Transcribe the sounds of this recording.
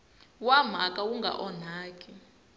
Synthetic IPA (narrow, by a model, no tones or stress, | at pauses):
wam̤akʼawuŋɡʱa̰ʔɔn̤aːkʼi